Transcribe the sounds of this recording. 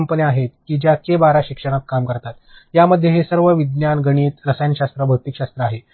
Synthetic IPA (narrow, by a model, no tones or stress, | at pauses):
mpəniaɦet̪̚kiːd͡ʑjakebaɾaɕikʂəɽ̃ak̪̚kamkəɾt̪at̪jaməd̪ʱːjeɦesəɾʋəʋid̪njanɡəɽ̃iːt̪ɾəsajnɕast̪ɾəbʱəwt̪ikɕast̪ɾəaɦe